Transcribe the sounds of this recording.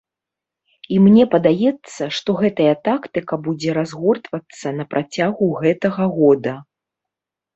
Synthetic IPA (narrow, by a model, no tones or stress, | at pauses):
imnʲɛpɐd̪ajɛt̪sːɐʂt̪ɔɣɛt̪ɐjɐt̪akt̪ɨkɐbud͡zʲɛɾazɣɔrt̪vɐt̪sːɐnɐpɾʔat͡sʲaɣuɣɛt̪ɐɣɐɣɔd̪ɐ